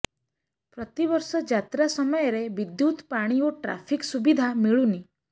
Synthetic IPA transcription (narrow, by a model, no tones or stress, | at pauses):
pɾɔt̪iβɔɾsɔd͡ʒat̪ɾasɔmɔjeɾebid̪jut̪paɽ̃ioʈɾa̰pʰiksubid̪ʱamiɭuni